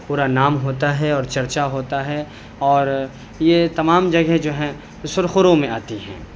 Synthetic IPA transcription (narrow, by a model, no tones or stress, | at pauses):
puːɾanaːmɦoːt̪aɦɛɔːɾt͡ʃɐɾt͡ʃaɦoːt̪aɦɛ | ɔːɾ | jet̪ɐmaːmd͡ʒɐɡɛd͡ʒoːɦɛ̃ | sʊɾxʊɾõmẽaːt̪iɦɛ̰̃ː